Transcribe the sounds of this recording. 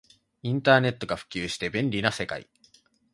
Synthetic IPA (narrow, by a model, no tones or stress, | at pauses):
ĩnt̪aːne̞t̪ːo̞ɡaɸɯ̟̥kʲɨːɕi̥t̪e̞bẽ̞nɾʲinase̞ka̰ḭ